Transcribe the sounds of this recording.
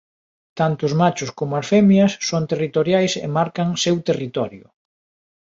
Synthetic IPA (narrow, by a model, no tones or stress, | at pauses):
t̪ant̪ʊzmat͡ʃʊskomʊaɾfɛmjɐsːoŋt̪erit̪oɾjajsḛmaɾkɐŋsewt̪erit̪ɔɾjʊ̰